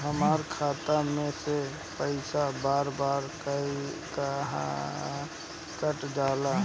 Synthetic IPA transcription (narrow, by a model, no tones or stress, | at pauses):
ɦəmaːɾkʰaːt̪amẽse | pəɪsabaːɾbaːɾ | kɦ | kəʈd͡ʒaːla